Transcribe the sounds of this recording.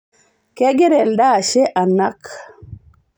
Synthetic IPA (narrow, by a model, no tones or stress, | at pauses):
kɛɡɛɾɛldaʃɛʔanːak